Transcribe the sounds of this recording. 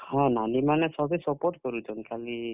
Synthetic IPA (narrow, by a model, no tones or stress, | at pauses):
hɔ̃nanimanesʌbʌjsʌpoɾʈɡɔɾud͡zʰɔnkʰali